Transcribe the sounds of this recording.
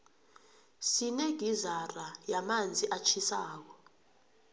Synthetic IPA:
sineɡ̥ʱizarajamand͡zʱiʔat͡ʃʰisaːk̬ɔ

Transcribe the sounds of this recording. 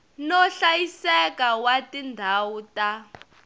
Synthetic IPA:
nɔɬajisɛkawatindʱawuta

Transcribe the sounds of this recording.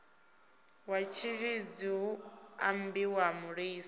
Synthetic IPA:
wat͡ʃʰiɺid͡ziɦua̰mbiwamuɺiːs

